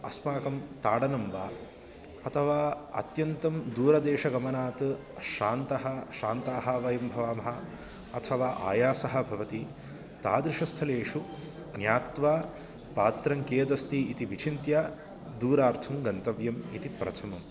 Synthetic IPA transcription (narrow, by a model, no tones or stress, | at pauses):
ɐsmaːkɐmt̪aːɽɐnɐmʋaː | ɐt̪ʰɐʋaːɐ̰t̪jɐnt̪ɐmd̪uːɾɐd̪eːʂɐɡɐmɐnaːt̪ɨ | ʃaːnt̪ɐɦɐʃaːnt̪aːɦaːʋɐjɐmbʱɐʋaːmɐɦɐː | t̪ʰɐʋaːʔa̰ːjaːsɐɦɐ̆bʱɐʋɐt̪i | t̪aːd̪ɾɪʂɐst̪ʰɐleːʂu | ɡnjaːt̪ʋaː | paːt̪ɾɐŋkeːd̪ɐst̪iit̪iʋit͡ʃʰint̪jaː | d̪uːɾaːɾt̪ʰumɡɐnt̪ɐʋjɐmit̪ipɾɐ̰t̪ʰɐmɐm